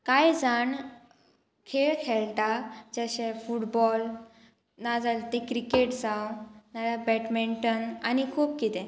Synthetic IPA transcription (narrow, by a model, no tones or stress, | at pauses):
kajd͡zaɳ | kʰeɭkʰeɭt̪ad͡ʑəɕefuʈbɔl | nad͡zalt̪ekɾikeʈd͡zawnalabɛʈmeɳʈənanikʰuːpkit̪ɛ̃